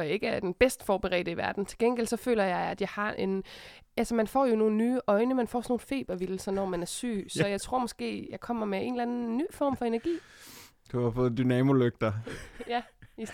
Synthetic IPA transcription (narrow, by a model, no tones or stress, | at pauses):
jɑe̝ɡ̥əæɐd̥enb̥esd̥fɒːb̥əʁɛ̰ːd̥əiʋæɐd̥n̩t͡sʰe̝lɡ̥enɡ̥el̰sɒ̽fø̰ːlɐjɑ̈ɪæd̥jɑ̈ɪhɑ̈ʔe̝nʔælsɐmænfɒ̰ːjo̝no̝ːn̩nyːʔɒ̽ɪnəmænfɒ̰ːsɒno̝ːfe̝̰ːb̥ɐʋil̩sɐnɒmænæɐsy̰ːsɒ̽jɑ̈ɪt͡sʰʁo̝ɐ̰mɒ̽sɡ̥e̝̰ːjɑ̈ɪkʰɒ̽m̰ɐmeʔe̝ːnlæn̩nːy̰ːfɒ̰ːmfɒ̽e̝næɐɡ̥ḭː | d̥uhɑfɔ̽ːð̩ˠd̥ynɛmo̝løɡ̥̚d̥ɐjæi